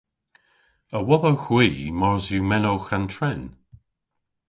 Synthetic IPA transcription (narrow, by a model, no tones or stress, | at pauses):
əwɔðowxwiːmɔɹzjumɛnowxantʰɹɛn